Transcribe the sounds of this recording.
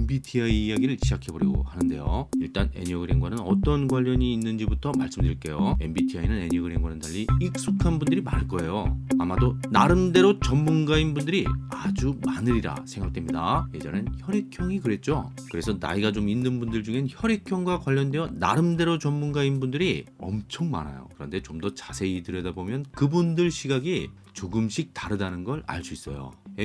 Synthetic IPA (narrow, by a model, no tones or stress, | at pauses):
enbitʰiaiːjaɡiɾɯɭɕʰid͡ʑakʰe̞bʌɾiɡo̰hanɯnde̞̰jo̰iɭt͈ane̞̰ɲʌɡɯɾe̞ŋɡwanɯnʌ̰t͈ʌnɡwaʎːʌɲiːnːɯnd͡ʑibutʰʌmaɭs͈ɯmdɯɾiɭk͈e̞joe̞̰mbitʰiainɯne̞ɲʌɡɯɾeŋɡwanɯndaʎːiik̚s͈ukʰanbundɯɾimaɭk͈ʌe̞joamadonaɾɯmde̞ɾot͡ɕʌmmunɡainbundɯɾiad͡ʑumanɯɾiɾa̰sʰe̞ŋɡak̚t͈emɲidaje̞d͡ʑʌ̰nençjʌɾe̞kʰjʌŋikɯɾe̞t̚t͡ɕ͈o̰ | kɯɾe̞sʰʌna̰iɡat͡ɕominːɯnbundɯɭd͡ʑuŋɦe̞nçjʌɾe̞kʰjʌŋɡwakwaʎːʌndwejʌna̰ɾɯmde̞ɾot͡ɕʌmmunɡainbundɯɾiʌ̰mt͡ɕʰʌŋma̰na̰jo̰kɯɾʌnde̞t͡ɕomdʌt͡ɕasʰe̞idɯɾjʌdabomjʌnkɯbundɯɭɕʰiɡaɡi | t͡ɕoɡɯmɕʰik̚taɾɯdanɯnɡʌɾa̰ɭs͈uis͈ʌ̰jo̰e